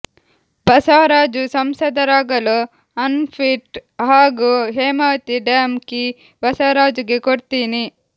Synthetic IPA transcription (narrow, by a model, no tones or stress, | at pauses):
bɐsaːɾaːd͡ʒusɐmsɐd̪ɐɾaːɡɐlu | ɐnpʰiʈɦaːɡuɦeːmɐːt̪iɖeːmki | bɐsaːɾaːd͡ʒuɡekoɽt̪iːni